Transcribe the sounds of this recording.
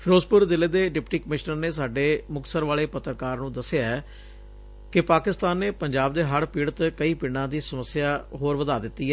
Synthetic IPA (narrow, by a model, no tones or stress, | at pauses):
pɾoːspʊɾzɪleːd̪eːɖɪpʈiːkəmɪʃnəɾneːs̬aːɖeːmʊksəɾʋaːleːpət̪ːɾəkaːɾnũːd̪əsɪjaːɛ | kɪpaːkɪst̪aːnːeːpəɲd͡ʒaːb̚d̪eːɦəɽpiːɽət̪kəiːpɪɽãːd̪iːsəməsːjaːɦoːɾʋəd̪aːd̪ɪt̪ːiːɦɛː